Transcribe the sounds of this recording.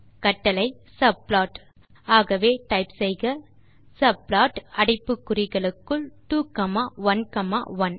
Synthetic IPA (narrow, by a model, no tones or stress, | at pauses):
kɐʈːɐlɐɪ | sɐb̚laːʈ | aːɣɐʋeːʈɐɪpsɛɪɣɐ | sɐblaːʈɐɽɪpːɯkːɯrɪɣɐɭɯkːɯɭʈuːkɐmaːʋɐnkɐma̰ːʋɐn